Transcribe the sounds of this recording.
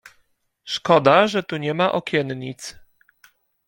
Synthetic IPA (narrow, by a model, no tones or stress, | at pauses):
ʂkɔd̪aʐɛt̪uɲɛmaʔɔkʲɛnɲit̪s